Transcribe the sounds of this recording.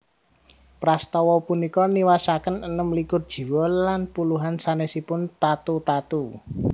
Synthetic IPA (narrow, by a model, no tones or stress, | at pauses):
pɾast̪ɔwɔpunikɔniwasakənənəmlikʊrd̥ʒ̥i̤wɔlanpuluɦansanesipʊnt̪at̪ut̪at̪u